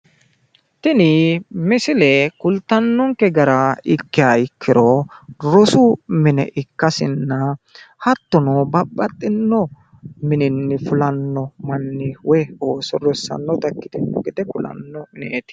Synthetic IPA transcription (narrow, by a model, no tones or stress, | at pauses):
t̪ɪnɪmɪsɪlɛkʊlt̪ːɐnːɔŋkɛɡɐɾɐɪkːɪaɪkʰːɪɾɔɾɔsʊmɪnɛ̰ʔɪkːɐsɪnːɐhɐt̪ːɔnɔbɐbːɐt̪ʼːɪnːɔ | mɪnɪnːɪfʊlɐnːɔmɐnːɪwɔjoːsɔɾɔsːɐ̰nːɔt̪ɐkːɪ̥t̪ɪnːɔ̰ɡɛd̪ɛkʊlɐ̰nːɔmɪnḛːt̪ɪ̥